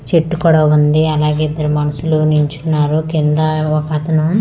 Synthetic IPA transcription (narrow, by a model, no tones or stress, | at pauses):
t͡ʃeʈːukɔɽɐʋund̪iɐlaːɡeid̪ːɐɾumɐnɐsuluniɲt͡ʃunːaːɾukind̪ɐokaːt̪ɐnɐm